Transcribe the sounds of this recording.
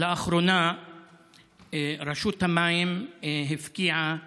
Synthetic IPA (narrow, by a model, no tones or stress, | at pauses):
laaχɾona | ɾaʃut̪hamajimɦefkiʕa